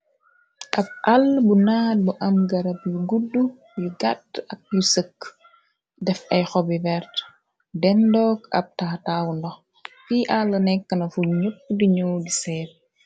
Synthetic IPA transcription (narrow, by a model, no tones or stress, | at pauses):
ʔɐb̚ʔalbunaːd̚buʔɐmɡɐɾɐp̚juɡudːu | juɡatɐk̚jusəkː | dɛfɐjxɔbivɛɾt | dɛndɔːkɐ̰p̚taːtaːwndɔx | fiːʔalːɐnɛkːənɐfuɲəpːdiɲɔwdisɛːt̚